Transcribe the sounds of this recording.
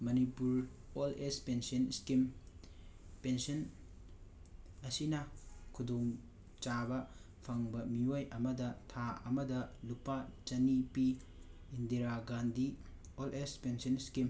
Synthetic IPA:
mɐnipuɾ | olespensɐnskim | pensɐn | ɐsinɐkʰudoŋ | t͡ʃabɐ | pʰɐŋbɐmiojʔɐmɐdɐtʰaɐmɐdɐlupat͡ʃɐnipiː | ndiɾaɡandi | olʔespensɐnskim

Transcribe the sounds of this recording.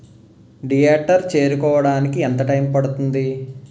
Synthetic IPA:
ɖijeːʈːɐɾt͡ʃe̞ːɾukɔːʋɐɽaːnikiɛnt̪ɐʈɐjmpɐɽut̪und̪i

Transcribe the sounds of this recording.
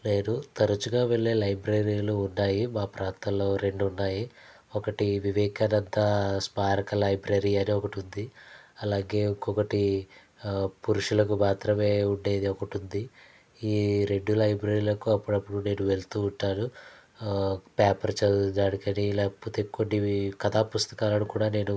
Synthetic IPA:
leːnut̪ɐɾɐt͡ʃuɡaːʋe̞ɭːeːlɐjbɾeɾiːluːnːaːjimaːpɾaːnt̪ɐloːɾe̞ɳɖunːaːji | ɔkɐʈiʋiʋɛːkɐnɐd̪ːɐspaːɾɐkɐlɐjbɾeɾiɐniɔkɐʈund̪iɐlaːɡe̞ːkːɔkɐʈi | puɾuʂulɐkubaːt̪ɾɐme̞ːuɳɖe̞ːd̪iɔkɐʈund̪i | iːɾe̞ɖːulɐjbɾɐːɾiːlɐkuɐpːuɽɐpːuɽune̞ːnuʋe̞lt̪uːuɳʈːaːɽu | paːpɐɾt͡ʃɐd̪aːɽikɐnilɛpuːt̪eːkːonːikɐd̪aːpust̪ɐ̥kaːlɐnukuːɽaːne̞ːnu

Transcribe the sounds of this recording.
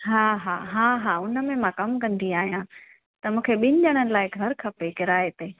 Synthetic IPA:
ɦaːɦaːɦaːɦaːʊnə̆mẽmãkɐmkɐ̃nd̪iaːɦijã | t̪ɐmũːkʰeɓɪ̃nɪ̆ʄəɽ̃ənɪ̆laːɪɡʱɐɾkʰɐpekɪɾaːet̪eː

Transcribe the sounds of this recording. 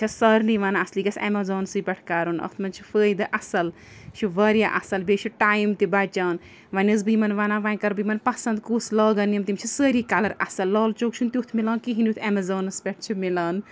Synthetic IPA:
t͡ʃʰɐsɐɾliʋaːnaɐsliːkɐsɐmɐzoːnsɨpʲɐʈʰkaːɾunɐ̰t̪ʰmɐnt͡ʃʰifəːjd̪ɨʔɐsɐl | ʃʰuʋaːɾjaʔɐsɐlbeːt͡ʃʰiʈaːjimt̪ibaːt͡ʃʲaːn | ʋɐnʲɐz̬bɨmɐnʋaːnaːʋaːnʲkɐɾbɨjmɐnpɐsɐnd̪kuːslɔːɡɐnjɐmt̪imt͡ʃʰisəːɾiːkɐlɐɾɐ̰sɐlːɔːlt͡ʃoːk̚t͡ʃʰunt̪iut̪ʰmilaːnkiɦinut̪ʰɐmɐzoːnɐspʲɛʈ̚ʰt͡ʃʰimilaːn

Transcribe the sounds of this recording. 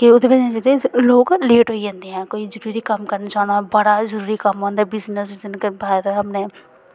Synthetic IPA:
kɪʊd̪eːpəd͡ʒẽd͡ʒɪd̪eloːɡleːʈɦoːid͡ʒãːnd̪eːɦɛ̃ːkoːiːzəɾuːɾiːkəmkəɾnaːt͡ʃaːnaːbəɽaːzəɾuːɾikəmɦõːnd̪aːbɪznəsɪzənkbaːd̪aɦəpneː

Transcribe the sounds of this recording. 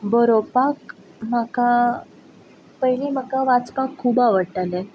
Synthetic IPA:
bəɾopak | maka | pəɦilim̤akaʋat͡spãkʰːuːbaʋəɽʈalɛ

